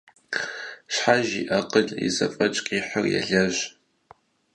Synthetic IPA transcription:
ɕħaʒiʔɐqəɮḭzɐfʼɐt͡ʃʼqʼiːħɐrjɛ̰ɮɐʑ

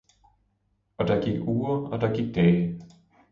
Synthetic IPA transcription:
ʔɒ̽d̥ɑ̈ɡ̥iɡ̥uːɐɒ̽d̥ɑ̈ɡ̥iɡ̥̚d̥ɛː

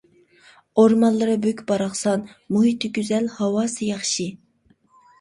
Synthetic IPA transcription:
oɾmɑnlˠɨɾɨbøkʲbɑɾɑχsɑnmuɦit̪ʰːɪɡʲyzɛlhɑwɑːsɨjɑχʃi

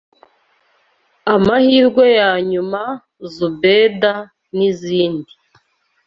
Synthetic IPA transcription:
amahiːɾɡwejaːɲuma | zubeːda | niziːndi

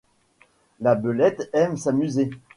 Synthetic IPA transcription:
labølɛt̪ɛmsamyze

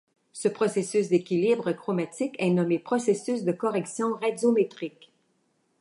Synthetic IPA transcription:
səpχɔsesysd̪ekʲilibʁəkʁɔmat̪ikɛnɔmepχɔsesysd̪əkɔʁɛksjɔ̃ʁɛdjomet̪ʁik

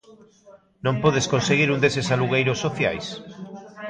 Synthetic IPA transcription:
nõmpoðeskonseɣiɾũnd̪esesaluɣ̞ejɾʊsːoθja̰js

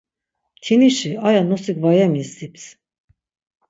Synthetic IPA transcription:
t̪ʰiniʃiajanɔsikvajamisd̪ips

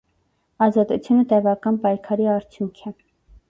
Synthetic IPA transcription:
ɑzɑt̪ut͡sʰjunət̪ɛvɑkɑnpɑjkʰɑɾiɑɾt͡sʰjuŋkʰɛ

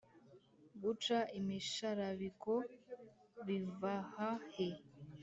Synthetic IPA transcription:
ɡut͡ʃaʔimiʃaɾaβiko | βivahahe

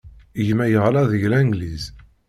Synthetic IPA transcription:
ʝmæjəʁlɑðəʝlæŋɡliz

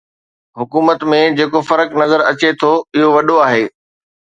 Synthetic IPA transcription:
ɦʊkuːmət̪mẽd͡ʑeːkofɐɾəknɐzəɾɐt͡ɕet̪ʰoɪɦoʋɐɗoaːɦeː

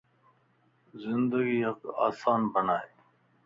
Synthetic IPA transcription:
zɪnd̪əɡiːɦɐqa̰ːsaːnbənaːe

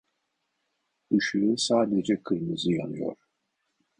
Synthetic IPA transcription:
ɯʃuːsaːd̪ed͡ʒɛkʰɯjmɯzɯjanɯjo̰ɾ̥

